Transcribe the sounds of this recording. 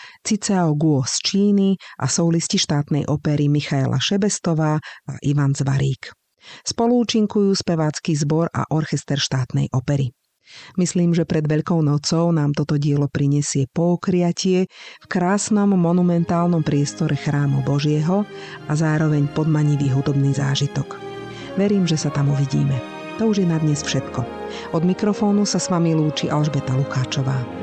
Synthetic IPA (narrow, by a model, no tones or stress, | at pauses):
t͡sit͡saɔɡuɔst͡ʃiːniʔa̰sɔʊlisciʃt̪aːt̪nɛjʔɔpɛɾimixaɛlʔa̰ʃɛbɛst̪ɔʋaːa̰ʔiʋanzʋaɾiːk | spɔluːt͡ʃiŋkujuːspɛʋaːt͡skizbɔɾa̰ʔɔɾxɛst̪ɛɾʃt̪aːt̪nɛ̰jʔɔpɛɾi | misliːmʒɛpɾɛd̪ʋɛʎkɔʊnɔt͡sɔʊnaːmt̪ɔt̪ɔɟɪɛlɔpɾiɲɛsɪɛpɔːkɾɪacɪɛfkɾaːsnɔmːɔnumɛnt̪aːlnɔmpɾɪɛst̪ɔɾʔɛxɾaːmubɔʒɪɛɦɔʔazaːɾɔʋɛɲpɔd̪maɲiʋiːɦud̪ɔbniːza̰ːʒit̪ɔk | ʋɛɾiːmʒɛsat̪amuʋiɟḭːmɛ | t̪ɔuʒjɛnad̪ɲɛsfʃɛt̪kɔ | ɔd̪mikɾɔfɔːnusasʋamiluːt͡ʃiʔalʒbɛt̪alukaːt͡ʃɔʋaː